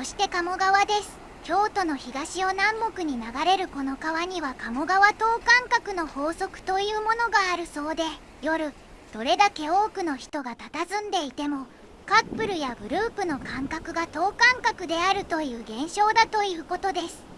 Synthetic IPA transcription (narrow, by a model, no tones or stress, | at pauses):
so̞ɕi̥t̪e̞kamo̞ɡaβad̪e̞sɨ̥ | kʲo̞ːt̪o̞no̞çiɡaɕio̞nãmbo̞kɯ̟ɲ̟inaɡaɾe̞ɾɯ̟ko̞no̞kaβaɲ̟iβakamo̞ɡaβat̪o̞ːkãŋkakɯ̟no̞ho̞ːso̞kɯ̟̥t̪o̞jɯ̟ːmo̞no̞ɡaːɾɯ̟so̞ːd̪e̞ | jo̞ɾɯ̟ | d̪̥o̞ɾe̞d̪ake̞o̞ːkɯ̟no̞çi̥t̪o̞ɡat̪at̪azɨ̃nd̪e̞it̪e̞mo̞ | kapːɯ̟ɾɯ̟jaɡɯ̟ɾɯ̟ːpɯ̟no̞kãŋkakɯ̟ɡat̪o̞ːkãŋkakɯ̟d̪e̞aɾɯ̟t̪o̞jɯ̟ːɡẽ̞ɰ̃ɕo̞ːd̪at̪o̞jɯ̟ːko̞t̪o̞d̪e̞sɨ̥